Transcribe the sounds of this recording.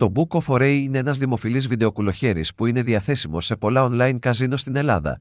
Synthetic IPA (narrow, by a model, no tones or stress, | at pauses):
t̪o̞buko̞fo̞ɾe̞jine̞e̞nɐzðimo̞filizviðe̞o̞kulo̞çe̞ɾḭspuine̞ðiɐθe̞simo̞se̞po̞lɐonlɐjnkɐzinost̪ine̞lɐ̰ðɐ̰